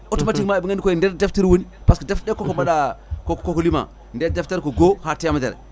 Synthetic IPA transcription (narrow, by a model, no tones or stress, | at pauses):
otmatikmaebiŋankojendeɾdefteɾwonipaskedefdekokobaɗakokkokolima̰ | ndedefteɾkoɡohatejamadḛɾḛ